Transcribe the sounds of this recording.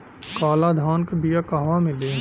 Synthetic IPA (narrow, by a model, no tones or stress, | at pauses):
kaːlad̪ʱaːnkbijakaɦʋamẽleː